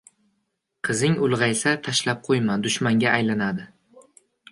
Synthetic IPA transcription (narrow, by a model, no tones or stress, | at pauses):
qʰɨzɪŋʊlˠʁɑjsat̪ʰaʃlap̚qʰojmad̪ʊʃmaŋɡʲaːjlanad̪ɪ